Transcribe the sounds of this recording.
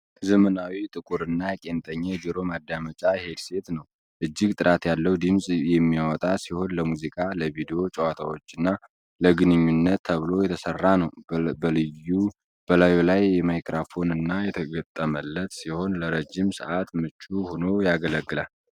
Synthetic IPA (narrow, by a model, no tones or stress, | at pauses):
zəmənawit̪ʼɨkʼuɾɨnːakʼe̞nt̪ʼəɲːad͡ʒiɾo̞mad̪ːamət͡ʃʼahe̞d̪se̞t̪nəw | ʔɨd͡ʒːɪɡt̪ʼɨɾʔat̪jalːəwd̪ɨmsʼjɛmːijawɔt̪ʼasiho̞nləmuzikʼaləvid̪ejo̞t͡ʃʼəwat̪ʰawo̞t͡ʃːɨnːa | ləɡɨnɨɲːunːət̪ʰːəβɨlo̞jɛt̪ʰəsərːanəwblɨju | b̥əlajulajːɛmajkʼɾafo̞nɨnːajɛt̪ʰəɡət̪ʼːəməlːət̪siho̞nləɾəd͡ʒːimsə̰ʔat̪mɨt͡ʃːʼuhono̞jaɡələɡːɨlal